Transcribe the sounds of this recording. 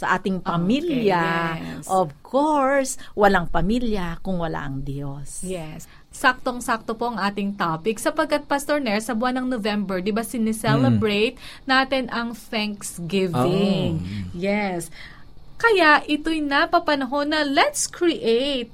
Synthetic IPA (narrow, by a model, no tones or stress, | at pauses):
sɐʔaːt̪ɪŋpɐmiljɐʔovkʰoɹswɐlaŋpɐmiljɐkʊŋwɐla̰ʔɐŋd̪josjɛsː | ak̚t̪oŋsak̚t̪o̞po̞ʔɐŋʔaːt̪ɪŋt̪apɪksɐpɐɡ̚kːɐt̪̚pɐst̪oɹnɛɹsɐbʊanɐŋnovɛmbɛɹd̪ɪbasɪnɛsɛlɛbɹejt̪̚naːt̪ɛnʔɐŋθɛŋksɡɪvɪŋŋjɛs | kɐjaʔʔɪt̪ojnɐpɐpɐnɐɦo̞nːɐlɛt̪skɹɪʔejt̪̚